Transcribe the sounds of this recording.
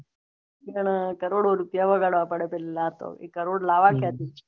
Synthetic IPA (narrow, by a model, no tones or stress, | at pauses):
ɡəɳ̃kəɾoɽoɾupjaʋəɡaɽapəɽepɛllat̪o̰ḛkːəɾoɽlaʋakjat̪it͡ʃ